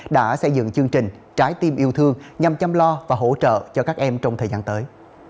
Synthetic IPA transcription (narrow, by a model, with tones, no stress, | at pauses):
ɗa̰ː˧˥sə˧jzɨ̰˧˨ŋt͡ɕɨ˧əŋt͡ɕï˨˩ŋ̟ | t͡ɕaː˨˦jt̪i˧mʔi˧əwt̪ʰɨ˧əŋɲa˨˩mt͡ɕa˧mlɔ˧vaː˨˩ɦo̰˧˥t͡ɕə̰ː˧˨t͡ɕɔ˧kaː˦˥k̚ʔɛ˧mt͡ɕɔ˧wŋ͡mt̪ʰəː˨˩zaː˧nt̪əː˨˦j